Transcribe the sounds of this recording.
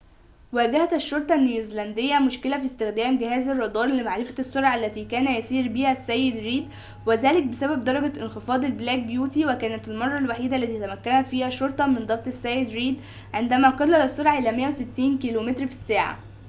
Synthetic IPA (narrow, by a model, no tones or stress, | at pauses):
wæːɡæhæt̪æʃːoɾˤt̪ˤɑnːiwɪzlænd̪ejːæmoʃkelæfist̪ɪxd̪æːmɡɪhæːzɑrˤːɑd̪ˤɑːɾˤlemaʕɾɪfæ̥t̪sːoɾʕaælːæt̪iːkæːnæjæsiːɾbiːhæsːæjːed̪ɾiːd̪ | wezæːlɪk̚besæbæb̚d̪ɑɾˤɑɡæʔenxefɑːd̪ˤælblæːk̚bjuːt̪iwekæːnæt̪ælmɑrˤːɑlwaħiːd̪ælːæt̪iːt̪æmækːænæt̪fiːhæʃoɾt̪ˤɑmend̪ˤɑqt̪ˤesːæjed̪ɾiːd̪ | ʕend̪æmæqɑlːælɑsˤːoɾʕaʔelæmejːæwset̪ːiːnkiːlomet̪ɾfi̥sːæːʕa̰